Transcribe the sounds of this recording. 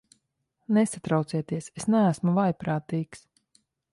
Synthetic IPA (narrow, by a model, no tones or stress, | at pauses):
nesat̪ɾawt̪siɛt̪iɛsesnæːsmuvajpɾaːt̪iːks